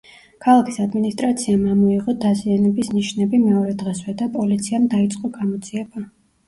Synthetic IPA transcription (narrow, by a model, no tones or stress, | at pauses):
kʰalˠakʰi̥sad̪minist̪ʼɾat̪sʰiamamɔiʁɔd̪azianɛbisniʃnɛbimɛɔɾɛd̪ʁɛswɛd̪apʼɔlit̪sʰiamd̪ait̪sʼqʼɔɡamɔd̪ziɛba